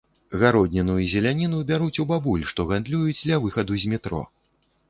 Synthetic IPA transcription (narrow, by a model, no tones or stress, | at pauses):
ɣaɾɔd̪ʲnʲɛnujuzʲɛlʲanʲinubʲaɾut͡sʲubabulʲʂt̪ɔɣand̪lʲujud͡zʲd̪lʲɐvɨxɐd̪uzʲmʲit̪ɾɔ̰